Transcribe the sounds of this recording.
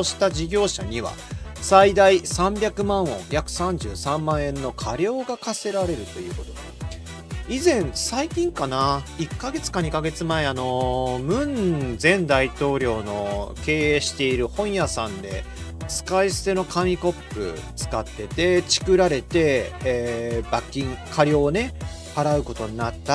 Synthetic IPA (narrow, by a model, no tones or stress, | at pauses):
oɕi̥t̪aʑiɡʲo̞ːɕaɲ̟iβa̰said̪aisãmbʲakɯ̟mãɰ̃õ̞̰jakɯ̟̥sãɲ̟d͡ʑɨ̰ːsãmːãɰ̃ẽ̞nːo̞kʰaɾʲo̞ːɡakase̞ɾaɾe̞ɾɯ̟t̪o̞jɯ̟ːko̞t̪o̞̰ɡ̪e | izẽ̞ɴ̃saikʲĩŋkanaikːaɡe̞t͡sɨ̥kaɲ̟ikaɡe̞t͡sɨmaeano̞mɯ̟̃nzẽ̞nd̪ait̪o̞ːɾʲo̞ːno̞ke̞ːeːɕi̥t̪e̞iɾɯ̟hõ̞ɰ̃jasãnd̪e̞̰ | sɨ̥kaisɨ̥t̪e̞no̞kʰamʲiko̞pːɯ̟̰t͡sɨ̥kat̪ːe̞t̪e̞t͡ɕi̥kɯ̟ɾaɾe̞t̪e̞ː | bakʲːĩŋkʰaɾʲjo̞ːne̞ | haɾaɯ̟ko̞t̪o̞ɲ̟inat̪ːa